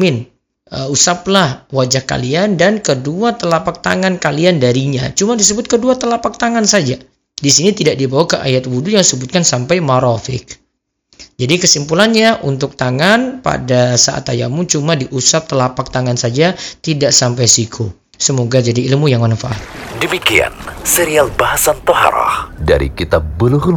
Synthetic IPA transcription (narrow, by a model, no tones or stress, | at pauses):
mɪn | əusaplahwad͡ʒahka̰liandankəduat̪əlapak̚t̪aŋankaliandaɾiɲat͡ʃumadis̬əbʊt̪̚kəduat̪əlapak̚t̪aŋansad͡ʒa | disinit̪idaʔ̚dibawakəʔa̰jat̪̚wudujaŋsəbʊt̪̚kansampajmaɾafɪk̚ | d͡ʒadikəsimpulanɲaʔunt̪ʊk̚t̪aŋanpa̰dasa̰ʔa̰t̪aja̰mut͡ʃumadiʔusap̚t̪əlapak̚t̪aŋansad͡ʒat̪idaʔsampajsikʰu | səmoɡad͡ʒadiːlmujaŋmanfaʔat̪̚dəmikia̰nseɾialbahasant̪oha̰ɾa̰hda̰ɾḭkit̪abəluk